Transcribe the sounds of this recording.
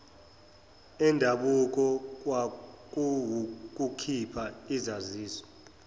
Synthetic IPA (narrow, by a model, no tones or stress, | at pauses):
ɛndʱaɓuk̬ʼɔk̬ʼwak | k̬ʼukʰipʰaizaziːsɔ̥